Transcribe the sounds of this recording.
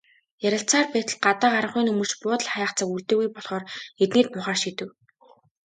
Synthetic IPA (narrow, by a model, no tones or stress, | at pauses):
jæɾʲə̆ɬt͡sʰaːrpæːt̪ə̆ɮɢat̪aːɢaɾə̆χʊjnɵmɵ̆rt͡ɕpʊːt̪ə̆ɮχajaːχt͡săːkuɮt̪eːɣujpɔɮχɔːret̪neːt̪̚mʊːχaːrʃit̪ɘ̆w